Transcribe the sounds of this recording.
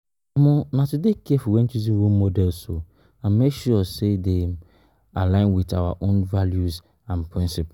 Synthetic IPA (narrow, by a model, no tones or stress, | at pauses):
amɔ̃natudekiɛfɔwɛ̃nt͡ʃuzĩnɹolmodɛlso | ãnmekʃɔsede | alãɪ̃nwitawa̰ʔõnvaljuz | ãnpʰɹĩnsip